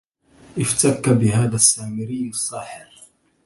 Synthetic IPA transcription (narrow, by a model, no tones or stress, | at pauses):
ʔɪft̪akːabɪhaːðasːaːmɪɾiːnɨsˤːɑːħɪɾ